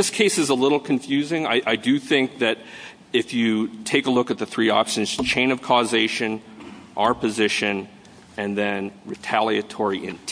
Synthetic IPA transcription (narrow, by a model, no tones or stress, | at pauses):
ðɪskʰeɪsɨzəlɪɾl̩ˠkʰɨ̃ɱfjʉzɪ̃ŋaɪʔaɪdɨθɪ̃ŋk̚ðɨɾ | ɪfjɨtʰeɪkəlʊkɨt̪̚ðɨθɹiɑ̰pʃɨ̃nz̥t͡ʃʰẽɪ̃ñʌv̥kʰɔzeɪʃɨ̃nʔaə˞pʰɨzɪʃɨ̃n | ɨ̃nðɨ̃nɹɨtʰælˠiɨtʰɔɹiʔɪ̰̃ntʰ